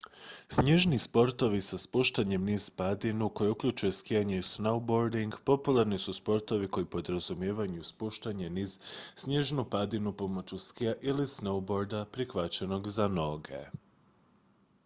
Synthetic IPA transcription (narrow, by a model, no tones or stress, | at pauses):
sɲe̞ʒnispo̞ɾt̪o̞ʋisaspuʃt̪aɲe̞mniːz̥pad̪inuko̞jeukʎut͡ʃuje̞skijaɲeusnowbo̞ɾd̪iŋɡpo̞pulˠaɾnisuspo̞ɾt̪o̞ʋiko̞jipo̞d̪ɾazumje̞ːʋauspuʃt̪aɲe̞niːz̥sɲe̞ʒnupad̪inupo̞mo̞t͡ɕuskijaʔilisnowbo̞ɾd̪apɾixʋat͡ʃeno̞ɡzano̞ɡe̞̰